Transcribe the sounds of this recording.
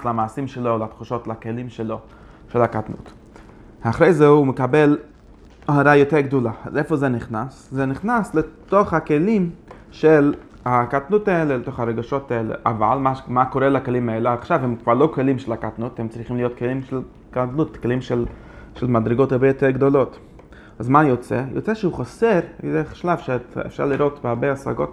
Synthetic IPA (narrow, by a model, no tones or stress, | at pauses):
slamaːsimʃelolat̪χuʃotlakelimʃelo | ʃelakatnṵt | aχɾejzeuumekabel | haɾajoteɾɡdolaazefozeniχnaszeniχnasletoχhakelim | ʃel | hakatnutaɛleletoχaɾeɡaʃotaelḛʔa̰va̰lmaʃmakoɾɛlakelimaɛleaχʃavhɛmkv̥aɾlˠokelimʃɛlakatnuthɛmt͡sɾiχimlijotkelimʃɛl | katnutkelimʃɛl | ʃɛlmadɾeɡothaɾbɛjotɛɾɡdolot | azmajot͡sḛjo̰t͡sɛʃəuχosɛɾdeʃlav̥ʃeɛ̰fʃa̰ɾliɾotbaɾbeasa̰ɡot